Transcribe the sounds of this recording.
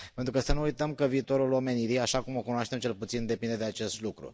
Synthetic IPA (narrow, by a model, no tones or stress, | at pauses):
pent̪ɾukəsənuujt̪əmkəviːt̪o̞ɾulo̞me̞niɾijaʃakumo̞kunoaʃt̪e̞mt͡ʃe̞lput̪sind̪e̞pind̪e̞d̪eat͡ʃe̞st̪lukɾṵ